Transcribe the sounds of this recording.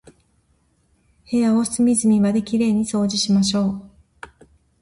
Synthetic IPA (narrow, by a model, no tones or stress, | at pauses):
he̞jaosɨmʲizɨmʲiβad̪e̞kʲiɾe̞ːɲ̟iso̞ːʑiɕimaɕ̬o̞ː